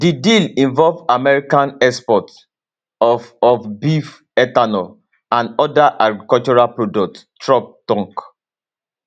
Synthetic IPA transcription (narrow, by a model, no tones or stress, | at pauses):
didilĩɱvɔlvamɛɹikãnɛspɔt | ɔfɔfbif | ɛtanɔ | ãndɔdaʔaɡɹikɔlt͡ʃɔɹapɹodɔk̚ttɹɔp̚tɔ̃ŋk